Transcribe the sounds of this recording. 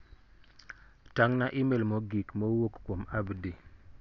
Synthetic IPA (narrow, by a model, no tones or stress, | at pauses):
taŋnaʔimelmoɡikmowokːwomabdi